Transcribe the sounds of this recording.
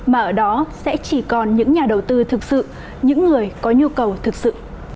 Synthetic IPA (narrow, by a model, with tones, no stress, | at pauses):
maː˨˩ʔəː˧˩ɗɔ˨˦sɛ̰˧˥t͡ɕi˧˩kɔ˨˩nɲɨ̰˧˥ŋɲaː˨˩ɗə˨˩wt̪ɨ˧t̪ʰɨ˨˩k̚sɨ̰˧˨ | ɲɨ̰˧˥ŋːɨ˨˩əjkɔ˨˦ɲu˧kə˨˩wt̪ʰɨ˨˩k̚sɨ̰˧˨